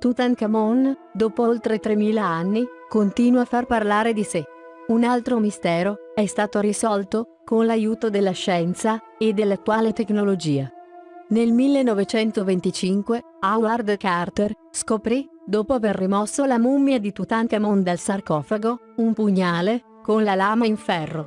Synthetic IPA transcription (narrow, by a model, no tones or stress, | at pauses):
t̪ut̪aŋkamɔnd̪oːpoolt̪ɾet̪ɾemiːlaanːikont̪iːnwafarparlaːɾed̪ise | unalt̪ɾomist̪ɛːɾoɛst̪aːt̪oɾisɔlt̪o | konlajuːt̪od̪elːaʃɛnt̪sa | ed̪ːelat̪waːlet̪eknolod͡ʒiːanelmilːenːɔvet͡ʃɛnt̪ovent̪it͡ʃiŋkwe | awlard̪kart̪er | skopɾi | d̪oːpoaverːimɔsːolamumːjad̪it̪ut̪aŋk̪amond̪alsarkɔːfaɡo | umpuɲːaːle | konlalaːmaiɱfɛrːo